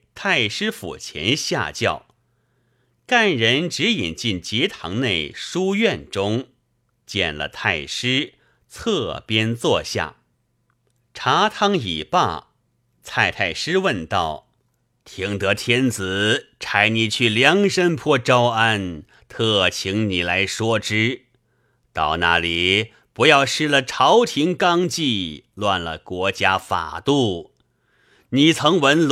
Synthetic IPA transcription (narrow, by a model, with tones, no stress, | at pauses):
t̪ʰa˥˩ɪʂɻ̩˥fṵ˨˩t͡ɕʰjɛ̰˧˥nɕja̰˥˧t͡ɕjɑ̰˥˩ʊ | ka˥˩nɻə˧˥nʈ͡ʂɻ̩˧˥i˨˩nt͡ɕi˥˩nt͡ɕi˧˥t̪ʰɑ̰˧˥ŋne˥˩ɪʂu˥ɥɛ˥˧nʈ͡ʂʊ˥ŋ | t͡ɕjɛ̰˥˧˩nlə̰˩t̪ʰa˥˩ɪʂɻ̩˥ | t͡sʰɤ˥˧pjɛ˥nt͡swɔ˥˧ɕja̰˥˩ | ʈ͡ʂʰa˧˥t̪ʰɑ˥ŋḭ˨˩pa̰˥˩ | t͡sʰa˥˧ɪt̪ʰa˥˩ɪʂɻ̩˥wə˥˧nt̪ɑ˥˩ʊ | t̪ʰi˧˥ŋt̪ɤ˧˥t̪ʰjɛ˥nt͡sɹ̩˨˩˦ʈ͡ʂʰa˧˥ɪni˨˩t͡ɕʰy˥˩ljɑ˧˥ŋʂə˥npʰwɔ˥˧ʈ͡ʂɑ˥ʊa˥˧n | t̪ʰɤ˥˩t͡ɕʰi˧˥ŋni˨˩la˧˥ɪʂwɔ˥ʈ͡ʂɻ̩˥ | t̪ɑ˥˩ʊna̰˥˩li˨˩ | pu˧˥jɑ˥˧ʊʂɻ̩˥˩lə˩ʈ͡ʂʰɑ˧˥ʊt̪ʰi˧˥ŋkɑ˥ŋt͡ɕi˥˧lwa˥˧nlə̰˩kwɔ˧˥t͡ɕja˥fa̰˨˩t̪u˥˩ | ni˨˩t͡sʰɤ˧˥ŋwə˧˥nl